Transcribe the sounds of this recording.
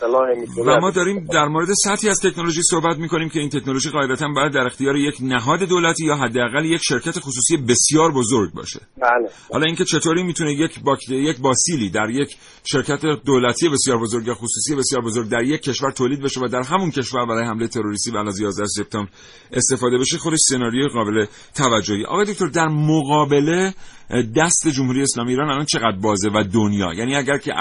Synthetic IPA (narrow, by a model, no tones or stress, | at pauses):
væmɒːd̪ɒːɾiːmd̪æɾmoːɾe̞d̪e̞sæt̪hiæzt̪ʰe̞cno̞lo̞ʒisohbæt̪miːko̞niːmcʰʲe̞iːnt̪ʰe̞knolo̞ʒiɣɒːed̪æt̪ʰænbɒːjæd̪̚ːæɾe̞xt̪ijɒːɾejecʰnæɦɒːd̪e̞d̪oːlæt̪ʰijɒːɦæd̪ːeæɣæljecʃe̞ɾcʰæt̪e̞xusuːsije̞be̞sjɒːɾbo̞zo̞ɾɟ̚bɒ̰ːʃe̞̥̰ælhɒ̰lɒiːŋcʰe̞t͡ʃʰet̪ʰoːɾiːmiːt̪ʰunejecʰbɒjecbɒːsiːliːd̪æɾje̞cʰ | ʃe̞ɾcʰæt̪ed̪oːlæt̪ʰije̞be̞sjɒːɾbo̞zo̞ɾɡvæxosuːsije̞be̞sjɒːɾbozo̞ɾɡ̚d̪æɾje̞cʰːe̞ʃvæɾt̪ʰoːlid̪be̞ʃe̞væd̪æɾɦæmuncʰe̞ʃvæɾbæɾɒːjehæmlejet̪ʰe̞ɾo̞ɾist̪iːvæːlɒzjɒːzd̪æhose̞p̚t̪ɒːmbɾ | ʔe̞st̪e̞fɒːd̪e̞be̞ʃexo̞d̪e̞ʃsenɒːɾijojeɣɒːbe̞le̞ | t̪ʰævæd͡ʒːohieʔɒ̰ɣɒjeok̚ʰʲt̪oɾd̪æɾmoɣɒːbe̞le̞d̪æst̪e̞d͡ʒomhuɾije̞ːslɒːmieiːɾɒːnælɒːnt͡ʃʰe̞ɣæd̪ɾbɒːze̞væd̪onjɒ̰ːjæːniæɟæɾkʰḛ